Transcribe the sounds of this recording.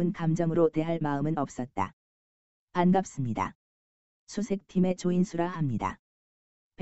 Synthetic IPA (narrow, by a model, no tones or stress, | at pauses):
ɯnkamd͡ʑʌmɯɾote̞ɦaɭmaɯmɯnʌp̚s͈ʌt̚t͈a̰ | panɡap̚s͈ɯmɲida̰ | sʰusʰe̞k̚tʰime̞t͡ɕoinsʰuɾahamɲida̰ | p